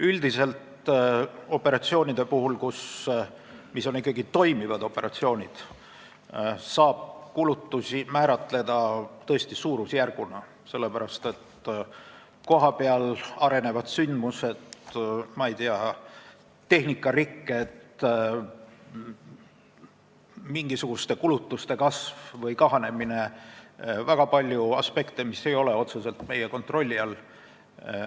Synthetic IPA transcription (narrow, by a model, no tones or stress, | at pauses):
yld̪̥ise̞lt̪ | o̞pːˑe̞ɾɑt̪sio̞ːnʲid̪̥e̞puɦulkus | miso̞nikːˑɑɡit̪o̞jmivɑd̪o̞pːe̞ɾɑt̪sio̞ːnʲid̪̥ | sɑːb̥̚kulut̪ːusimæːɾɑt̪le̞d̪̥ɑt̪ɤ̞est̪isuːɾusjærɡ̥unɑ | se̞lːe̞pæɾɑst̪e̞t̪ | ko̞ɦɑpe̞ɑlɑɾe̞ne̞vɑdt̪synd̪muse̞t̪mɑejt̪iɑ | t̪ːe̞hnikːˑɑrikːet̪ | miŋɡ̥isuɡ̥ust̪e̞kulut̪ːust̪e̞kɑsvvɤjkɑɦɑne̞mine̞ | væɡ̥ɑpɑlʲjuɑ̰spe̞kt̪emisːe̞jo̞leo̞t̪suse̞lt̪me̞jeko̞nt̪ˑro̞lʲːiɑl